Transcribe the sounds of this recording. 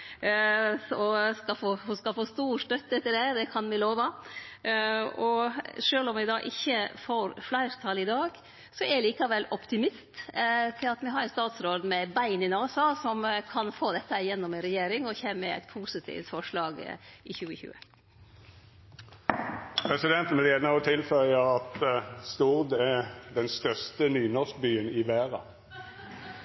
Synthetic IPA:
ɔskɑfoːfoskɑfoːst̪uːʂt̪œt̪ːɛt̪ːəɖɛd̪ɛkʰɑnʋɪloːʋɑ | ɔʂøːlɔmʋɪd̪ɑ̰ːʔɪçːəfoːɾflæɪɾt̪ʰɑlːɪd̪ɑːɡ | sɔɛɭiːkɑʋɛlɔpt̪ɪmɪst̪t̪ʰɪlɑt̪mɪɦɑɾænst̪ɑːt̪sɾoːd̪mɛbæɪnɪnɑːsɔsɔmkʰɑnfoːd̪ɛt̪ːəhæjɛnːɔmɛnɾɛjeːɾɪŋɔçeːməæ̰ɪt̪̚pʰuːsɪt̪ʰḭft̪fɔʂlɑːɡ̰ɪçʉːəçʉ̰ːə̰ | pʰɾɛsɪd̪ɛnt̪n̩ʋɪleːd̪nəɔt̪ʰɪlfœləʁɑt̪st̪ʊʁd̪ɛd̪ɛnst̪œʁst̪ənyːnɔsk̚byːənɪʋæːʁɑ̰

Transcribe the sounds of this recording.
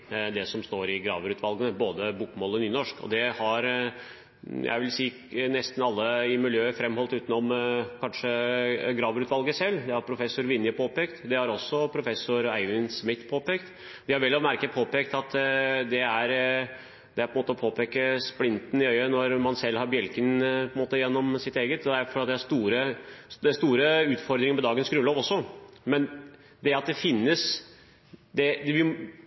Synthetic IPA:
d̪ɛsɔmst̪oːɾɪɡɾɑ̰ːʋəɾʉːt̪ʰʋɑlɡənəboːd̪əbukmoːlɔnyːnɔʂkɔ̰d̪ɛhɑɾ | jʔæ̰ɪʋɪlsiː | nɛst̪n̩ɑlːəɪmɪljøːəfɾɛmːhɔlt̪ʉːt̪n̩ɔmkʰɑnʂəɡɾɑːʋɾʉːt̪ʋɑlɡəsɛlːd̪ɛhɑɾpʰɾʊfɛsːʊɾʋɪnjəpʰoːpɛːkt̪d̪ɛhɑɾɔsːɔpʰɾʊfɛsʊɾæɪʋɪnsmɪt̪ːpʰoːpɛːkt̪ | d̪ɪhɑɾʋɛlːɔmæɾkəpʰoːpɛkt̪ɑt̪d̪ɛæɾ | d̪ɛæɾpʰɔnmoːt̪əɔpʰoːpʰɛkəsplɪnt̪n̩ɪœʏənɔɾmɑnsɛlːhɑɾbjɛlkənpʰɔənmoːt̪əjɛnːɔmsɪt̪eːɡət̪d̪ɛæɾfɔɾɑt̪d̪ɛhæʂt̪uːɾəɛst̪uːɾəʉːt̪fɔɾd̪ɾɪŋəɾmɛd̪ɑːɡənsɡɾʉːloːʋɔsːɔmɛn | d̪ɛɾɑt̪̚d̪ɛfɪnːəs | d̪ɛd̪ɛʋɪl

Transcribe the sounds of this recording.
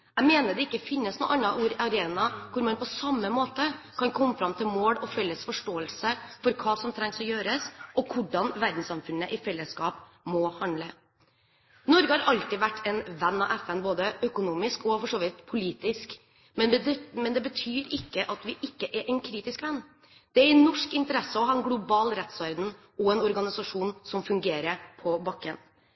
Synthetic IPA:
æɪmeːnəɖ̪ɛɪkːəfɪnːəsnṵːʔɑnːɑʔuːɾɑɾeːnɑkʰʊɾmɑnpʰɔsɑmːəmoːt̪ə | kʰɑnkʰɔmːəfɾɑmt̪ʰɪlmoːɽɔfɛlːəsfɔʂʈoːəlsəfɔɾkʰɑːsɔmt̪ʰɾɛŋsɔjøːɾəsɔkʰʊɖɑnʋæɾd̪n̩sɑmfʉnːəʔɪfɛlːəskɑːp | mɔhɑnd̪lə | nɔɾɡəhɑɾʔɑlt̪ɪʋæʈːɛnʋɛnːɑʔɛfɛnboːd̪əœkʊnuːmɪskɔfɔʂoːʋɪt̪pʰʊliːt̪ɪsk | mɛmɛnd̪ɛbət̪ʰyːɾɪkːəʔɑt̪ʋɪʔɪkːəʔɛɾʔɛɪnkʰɾiːt̪ɪskʋɛnː | d̪̥ɛæɾnːɔʂkɪnt̪əɾɛsːəɔɦɑɾɛnɡlʊbɑːlɾɛt̪sʋɑɾd̪n̩ | ɔɛnɔɾɡɑnɪsɑʂuːnsɔmfʉŋɡeːɾəpʰɔbɑkːən

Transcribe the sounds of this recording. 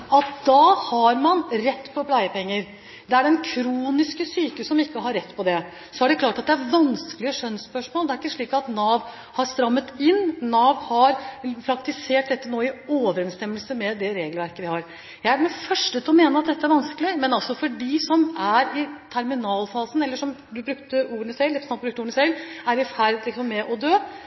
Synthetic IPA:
ɑt̪̚d̪ɑhɑɾmɑnɾɛt̪ːpʰɔpʰlæɪəpʰɛŋːəɾ | d̪ɛæɖɛnkʰɾuːnɪskəsyːkəəsɔmɪkːəɦɑɾːɛt̪ːpʰɔd̪ɛ | sɔæɖɛkʰlɑːʈɑt̪̚d̪ɛæɾʋɑnskəlɪəʂœnspœʂmoːlˠd̪ɛæɾɪkːəʂɭiːkɑt̪nɑːʋ | hɑɾst̪ɾɑmːət̪ɪnːɑːʋhɑɾpʰɾɑkt̪ɪseːʈ̚d̪ɛt̪ːənoːɪoːʋəɾɛnst̪ɛmːəlsəmɛd̪ɛɾeːɡəlʋæɾkəʋɪhɑɾ | jæɪæɾmɛfœʂʈət̪lɔmeːnəɑt̪̚d̪ɛt̪ːəæɾʋɑnskəlɪmɛnɑlsɔfɔɖisɔmæɾɪt̪ʰæɾmɪnɑːlfɑːsənɛlːəʂɔm | d̪ʉbɾʉkt̪əuːɾənəsɛld̪ɛpɾsɑlbɾʉkt̪uːɾənəsɛlæɾɪfæɾd̪lɪksɔmːɛʔɔd̪øː

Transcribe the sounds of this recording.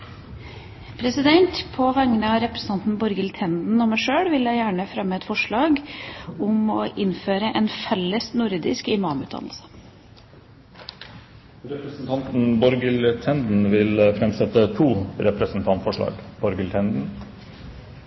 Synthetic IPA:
pʰɾɛsɪd̪ɛnt̪pʰɔʋɛŋːənəɑɾɛpɾəsn̩ɑnt̪n̩bɔɾɡəlt̪ʰɛnd̪n̩ɔmæɪʂøːɽʋɪljæɪjæːɳəfɾɛmːəɛt̪fɔʂɭɑːɡɔmɔʔɪnføːɾəʔɛnfɛlːəsnʊɾd̪ɪskɪmɑːmʉ̰ːt̪d̪ɑ̰nlsə̥ | ɾɛpɾəsn̩t̪ɑnt̪n̩bɔɾɡəlt̪ʰɛnd̪n̩ʋɪlfɾɛmsɛt̪ət̪ʰuːɾɛpɾəsnt̪ʰɑnt̪fɔʂɭɑ̰ːɡb̥ɔɾɡəlt̪ʰɛnd̪n̩

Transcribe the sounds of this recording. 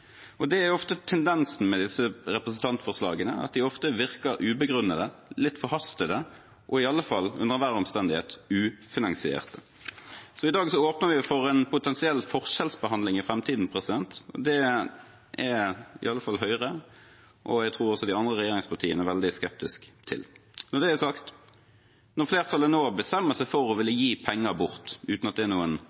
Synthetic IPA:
ʔɔd̪ɛæɾɔft̪ət̪ʰɛnd̪ɛnsn̩mɛd̪ɪsəɾɛpɾəs̬n̩t̪ʰɑnt̪fɔʁslɑ̰ːɡənəʔɑ̰t̪̚d̪ɪɔft̪əʋɪʁkəɾʔʉːbəɡʁʉnəd̪əlɪt̪ːfɔhɑst̪əd̪ə | ʔɔɪɑlːəfɑlːʉ̰nəʁʋæʁɔmst̪ɛnd̪ɪhḛːt̪ʉːfɪnɑŋsɪḛːʁt̪ə | sɔɪd̪ɑːɡsɔoːpnəɾʋɪfɔɾɛnpʰʊt̪ʰɛnsɪɛlːfɔʁʂɛlsbəhɑnd̪lɪŋɪfɾɛmt̪ʰiːd̪n̩pʰʁɛsɪd̪ɛnt̪ɔ̰d̪ɛ | ʔɛɪ̰ɑlːəfɑlːɦœʏʁə | ʔɔjæɡt̪ʰɾuːɾɔsɔd̪ɪɑnd̪ɾʁəɾɛjeːɾɪŋspɑʁt̪ʰiːənəɾʋɛld̪ɪskɛp̚t̪ɪskt̪ʰɪ̰lnɔd̪ɛæsɑkt̪ | nɔʁfleːʁt̪ʰɑlːənoːbəst̪ɛmːəsæɪfɔɾɔʋɪlːəjiːpʰɛŋːəbʊʁt̪ʉːt̪nɑt̪̚d̪ɛːnuːən

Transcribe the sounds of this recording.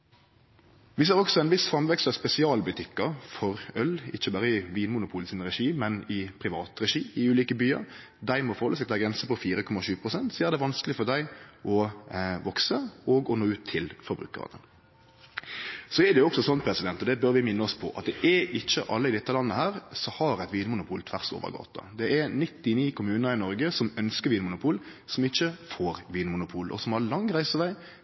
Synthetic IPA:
ʋɪseːɾɔksɔɛnʋɪsfɑmʋɛkst̪əspɛsɪɑːlbʉt̪ʰɪkːəɾfɔɾœlɪçːəbɑːɾəɪʋiːnmʊnʊpʰuːlsɪnʁɛʂiːmɛnɪpʰɾɪʋɑ̰ːt̪ɾɛʃiːɪʉːliːkəbyːə̰ɾ | d̪æɪmɔfɔɾʁhɔlːəsɛkt̪æːɡɾɛnsəpɔfiːɾəkʰɔmːɑʃʉːpʰʁʊsɛnt̪sɔæɾd̪ɛʋɑnskəlɪfɔd̪æɪʔɔʋɔksəɔɡɔnoːʉːt̪ʰːɪlfɔɾbɾʉ̰ːkə̰ʁɑ̰nə̰ | sɔɛd̪ɛjʊɔksɔsɔnpʰɾɛsɪd̪ɛnt̪ɔd̪ɛbœɾʋɪmɪnːəɔspʰɔ̰ʔɑ̰t̪̚d̪ɛʔɛɪçːəʔɑlːəɪd̪ɪt̪ːəlɑnːəhæːɾsɔhɑɾæɪt̪ʋiːnəmʊnʊpʰuːlt̪ʰʋæʁso̰ːʋə̰ɾɡɑ̰ːt̪ɑ̰d̪ɛʔæɾnɪt̪ːɪniːkʰʊmʉːnəɾɪnɔɾɡəsɔmœnskəɾʋiːnəmʊnʊpʰuːl | sɔmɪçːəfoːɾʋiːnmʊnʊpʰuːlʔɔ̰sɔmhɑɾlɑŋːʁæɪsəʋæɪ

